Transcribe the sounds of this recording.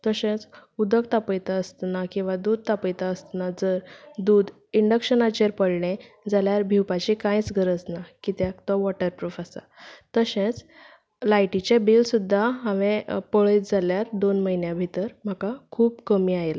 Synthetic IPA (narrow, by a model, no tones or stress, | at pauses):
t̪əɕẽt͡sud̪əkt̪apəjt̪aəst̪nakĩw̃ʋad̪uːd̪̚ʱt̪apəjt̪aəst̪nad͡zəɾd̪uːd̪ | iɳɖəkɕənat͡ɕeɾpəɽɳe | d͡zaljaɾbʱiwpat͡ɕikãjt͡sɡʱəɾəd͡znakit̪akt̪ɔʋɔʈəɾʈɾufasa̰ | t̪əɕẽt͡s | lajʈit͡ɕabilsud̪ʱːaɦãʋẽpəɭəjt̪̚d͡zaljaɾd̪onməɦinjãbʱit̪əɾm̤akakʰuːbkəmiːajel